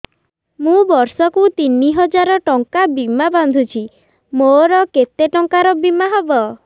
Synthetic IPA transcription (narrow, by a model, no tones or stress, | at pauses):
mũbɔɾsɔkut̪iniɦɔd͡ʒaɾɔʈɔŋkabimaband̪ʱut͡ʃʰi | moɾɔket̪eʈɔŋkaɾɔbimaɦɔbɔ